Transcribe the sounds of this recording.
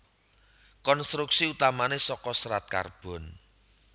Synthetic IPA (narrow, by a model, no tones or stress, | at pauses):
kɔnst̪ɾuksiut̪amanesɔkɔsɾat̪̚ka̰rb̥ɔ̤n